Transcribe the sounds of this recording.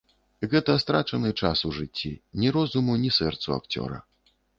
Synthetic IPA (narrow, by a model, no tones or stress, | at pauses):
ɣɛt̪ɐst̪ɾat͡ʂɐnɨt͡ʂasuʐɨt͡sʲːḭnʲiɾɔzumunʲisɛrt̪sua̰kt͡sʲɔ̰ɾɐ̰